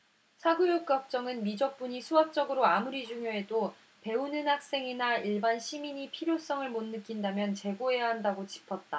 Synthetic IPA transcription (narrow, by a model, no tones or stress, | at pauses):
sʰaɡujok̚k͈ʌk̚t͡ɕ͈ʌŋɯnmid͡ʑʌk̚p͈uɲisʰuɦak̚t͡ɕ͈ʌɡɯɾoamuɾid͡ʑuŋjoe̞do | pe̞unɯnɦak̚s͈e̞ŋinaiɭbanɕʰimiɲipʰiɾjos͈ʌŋɯɭmonːɯk͈indamjʌnt͡ɕe̞ɡoɦe̞jaɦandaɡot͡ɕi̥pʰʌt̚t͈a